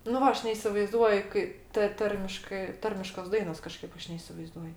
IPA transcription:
nʊ ˈʋɐ ˈɐʃ nʲɛɪsʲɪʋɐɪˈzduɔj ˈkɐɪ tɐ ˈtɐrʲmʲɪʃkɜ ˈtɐrʲmʲɪʃkoːs ˈdɐɪnoːs kɐˈʃkɐɪp ˈɐʃ nʲɛɪsʲɪʋɐɪˈzduɔj

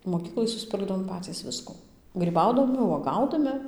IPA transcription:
moːˈkʲiːklˠɐɪ sʊsʲˈpʲɪrɡdɐʋoːm ˈpɑːt͡sʲiːs ˈʋʲɪskʊ ɡrʲiːˈbɐʊdɐmʲɪ uɔˈɡɐʊdɐmʲɪ

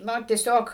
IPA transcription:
ˈnɐ tʲiɛˈsʲoːk

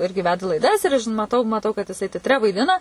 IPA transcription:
ˈɪrʲɡʲɪ ˈʋʲæːdɐ lˠɐɪˈdɐs ɪr ɐʃ mɐˈtɐʊ mɐˈtɐʊ kɐt jɪˈsɐɪ tʲɛtʲˈrʲɛ ʋɐɪˈdʲɪnɐ

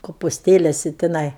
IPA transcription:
koːpʊsʲˈtʲeːlʲɛsʲɪ tʲɪˈnɐɪ

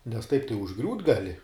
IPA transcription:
nʲɛs tɐɪp tɐɪ ʊʒˈɡrʲuːt ɡɐˈlʲɪ

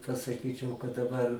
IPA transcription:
pɐsɐˈkʲiːt͡ʃʲɛʊ kɐt dɐˈbɐr

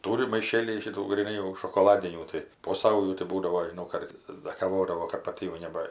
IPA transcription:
ˈtuːrʲɪ mɐɪˈʃʲeːlʲiːj ʃʲɪˈtuː ɡrʲiːˈnɐɪ jɛʊ ʃoːkoːˈlˠɑːdʲɪnʲuː ˈtɐɪ poː ˈsɐʊjuː tɐɪ ˈbuːdɐʋoː ʒʲɪˈnɐʊ ˈkɐrtɐɪs dɐ kɐˈʋoːdɐʋoː kɐt pɐˈtʲɪ jɛʊ ˈnʲæːbɐ

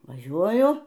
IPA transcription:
ʋɐˈʒʲuɔjʊ

